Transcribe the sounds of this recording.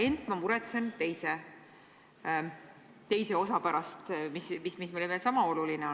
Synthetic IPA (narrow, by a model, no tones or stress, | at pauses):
e̞nd̪̥ˑmɑmuɾet̪se̞nt̪e̞jse | t̪e̞jse̞o̞sɑpæɾɑst̪mismismismeleveːlsɑmɑo̞lulineo